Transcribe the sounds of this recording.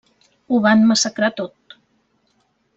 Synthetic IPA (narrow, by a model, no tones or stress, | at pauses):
uβanməsəkɾat̪ot̪̚